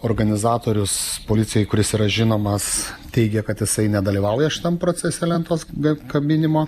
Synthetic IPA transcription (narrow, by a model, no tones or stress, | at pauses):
oːrɡɐnʲɪzɑːt̪oːɾʲʊspolʲɪt͡ssʲɪjɛjɪkʊɾʲɪsiːɾɐʒʲɪnoːmɐst̪ʲɛɪɡʲɛkɐt̪jɪsɐɪnʲɛd̪ɐlʲiːʋɐʊjɛʃʲɪ̥t̪ɐmpɾoːt͡s̪ʲɛsʲɛlʲɛnt̪oːsɡɐkɐbʲɪnʲɪmoː